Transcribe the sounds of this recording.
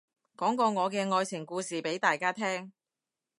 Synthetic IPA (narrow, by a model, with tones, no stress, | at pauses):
kɔː˨˥ŋkɔː˧ŋɔː˨˧kɛː˧ŋɔː˧jt͡sʰɪ˨˩ŋkuː˧siː˨pe˨˥jt̪aː˨jkaː˥t̪ʰɛː˥ŋ